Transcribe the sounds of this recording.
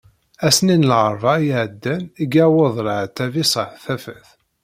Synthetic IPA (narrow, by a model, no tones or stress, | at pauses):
æsninlʕəɾˤvɑjʕəd̪ːæniɡæwoðˤlʕt̪ːævisˤɑθæfəθ